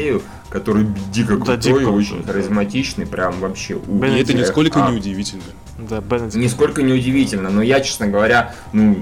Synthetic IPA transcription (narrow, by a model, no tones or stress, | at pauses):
ɾʲɪʊ | kɐt̪o̞ɾɨjdʲikəkt̪ojɪo̞t͡ɕɪnʲxəɾʲɪzmɐtʲit͡ɕnɨjpɾʲamvɐpɕːe̞̰ʔuɛt̪ənʲɪskolʲkənʲɪʊdʲɪvʲitʲɪlʲnə | d̪nʲɪsko̞lʲkənʲɪʊdʲɪvʲitʲɪlʲnənojat͡ɕe̥snəɡəvɐɾʲa | nu